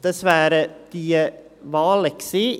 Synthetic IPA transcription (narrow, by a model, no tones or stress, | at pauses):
d̪̥ɛsʋæɾəd̪̥iːə | ʋɑːlɛksɪ